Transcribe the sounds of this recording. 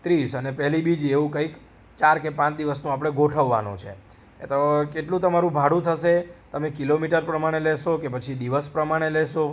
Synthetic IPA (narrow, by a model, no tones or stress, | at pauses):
t̪ɾiʃənepɛɦlibid͡ʒeʋũkəik | t͡ʃaɾkepãt͡ʃd̪iʋəsnũapɽ̃eɡoʈʰəʋːa̰nṵ̃t͡ʃʰḛ | t̪okeʈlũt̪əmaɾũbʱaɽũt̪ʰəʃet̪əmekilomiʈəɾpɾəmaɽ̃elɛʃokepət͡ʃʰid̪iʋəspɾəmaɽ̃eleʃo